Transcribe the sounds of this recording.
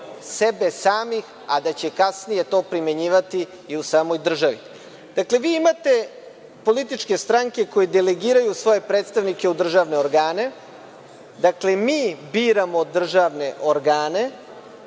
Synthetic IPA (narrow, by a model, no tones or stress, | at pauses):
sebe̞saːmix | ad̪at͡ɕe̞kasnije̞t̪o̞ːpɾime̞ɲiːʋat̪iː | usaːmo̞jd̪r̩ʒaʋḭ | d̪̥akle̞ʋiːimat̪e̞ | po̞lit̪it͡ʃke̞st̪ɾaŋke̞ko̞jed̪eleɡiːɾajusʋo̞je̞pɾet̪st̪aʋnike̞ud̪r̩ʒaʋne̞oɾɡaːne̞ | d̪akle̞miːbiːɾamo̞d̪r̩ʒaʋne̞ʔoɾɡaːne̞